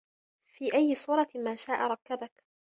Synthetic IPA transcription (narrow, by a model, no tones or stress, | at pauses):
fiːʔajːɪsuːɾˤɑmaːʃaːʔaɾˤɑkːabak